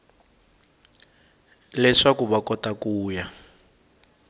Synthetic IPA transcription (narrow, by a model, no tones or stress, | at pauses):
lɛʂakuβakɔtakuːja